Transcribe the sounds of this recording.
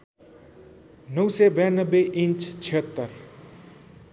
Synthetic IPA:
nʌwsebjanʌbːeʔint͡ʃʰt͡sʰiɦʌt̪ːʌr

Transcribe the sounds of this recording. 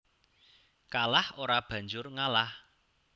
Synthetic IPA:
kalahoɾab̥ä̤ɲd͡ʒʊrŋalah

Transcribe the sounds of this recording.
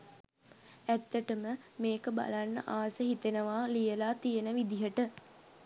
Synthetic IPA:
æt̪ːəʈəməmeːkəba̰lanːə̰ʔaːsəɦit̪enəʋaːlijəlaːt̪ijənəʋid̪iɦəʈə

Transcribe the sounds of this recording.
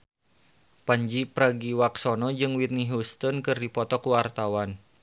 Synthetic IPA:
paɲd͡ʒipɾaɡiwaksɔnɔd͡ʒɨŋwit̪̚niɦust̪ɔnkɨrdipɔt̪ɔkuwart̪awan

